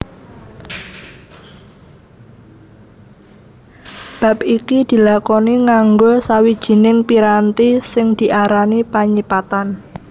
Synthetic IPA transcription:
b̥a̤p̚ikid̪̥i̤lakɔniŋaŋɡosawid̥ʒ̥i̤nɪŋpiɾant̪isɪŋd̪̥i̤ʔaɾanipaɲipat̪an

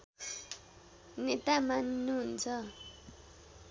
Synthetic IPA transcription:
net̪amanːuɦunt͡sʰʌ

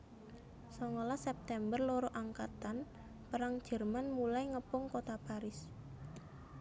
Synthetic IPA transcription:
sɔŋolasɛp̚t̪ɛmbərloɾoʔaŋkat̪an | pəɾaŋ̥ʒ̥ə̤rmanmulajŋəpʊŋkot̪apaɾɪs

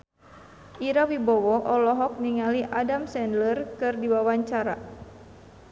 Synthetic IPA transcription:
ʔiɾawibɔwɔʔɔlɔɦɔk̚niŋaliʔadamsɛndlərkɨrdiwawaɲt͡ʃaɾa

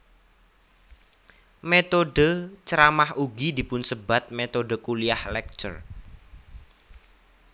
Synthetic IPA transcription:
met̪oɖət͡ʃəɾamahuɡid̪i̤pʊnsəbat̪̚met̪oɖəkuliahlɛk̚t͡ʃə̰r

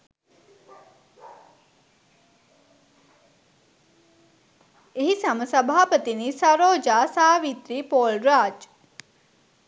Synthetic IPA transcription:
eɦisɐməsɐbʱaːpət̪iniːsɐɾoːd͡ʒaːsaːʋit̪ɾiːpoːlɾaːd͡ʒ

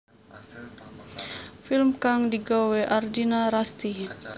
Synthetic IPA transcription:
filmkaŋdiɡaweʔardinaɾast̪i

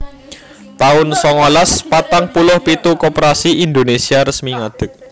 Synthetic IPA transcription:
t̪aʊnsɔŋolaspat̪aŋpulʊhpit̪ukopɾasiʔind̪onesiaɾəsmiŋad̪̥ə̤k̚

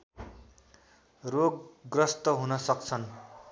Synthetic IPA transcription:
roɡɡrʌst̪ʌɦunʌsʌk̚t͡sʰʌn

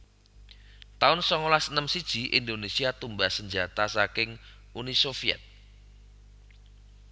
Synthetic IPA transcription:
t̪aʊnsɔŋolasənəmsid̥ʒ̥iʔḭnd̪onesiat̪umbahsəɲd͡ʒat̪asakɪŋ | unisofiɛ̰t̪̚

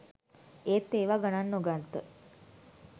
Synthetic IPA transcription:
eːt̪ːeːʋaɡananːoɡant̪ə

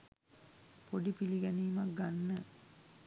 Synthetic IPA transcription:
poɖipiliɡɛniːmak̚ɡanːə

